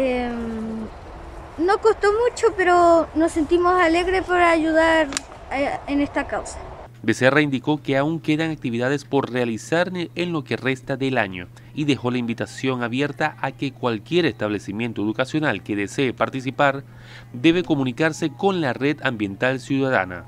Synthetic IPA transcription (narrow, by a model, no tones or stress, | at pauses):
em | no̞kost̪omut͡ʃopeɾonosent̪imosaleɣɾepaɾaʝuðaɾ | enest̪akawsḁ | be̞seraind̪iko̞ke̞auŋke̞ðaŋak̚t̪iβiðað̞e̞spo̞ɾrealisaɾenlo̞ke̞re̞st̪aðe̞laɲo̞̰ | iðe̞xo̞laimbit̪asjo̞ŋaβje̞ɾt̪aʔake̞kwalkje̞ɾe̞st̪aβ̞le̞simje̞nt̪oeðukasjo̞nalke̞ðe̞se̞ːpaɾt̪is̬ipaɾ | d̪e̞β̞e̞ko̞mũnikaɾse̞ko̞nlare̞ðambje̞nt̪alsjuðaða̰na̰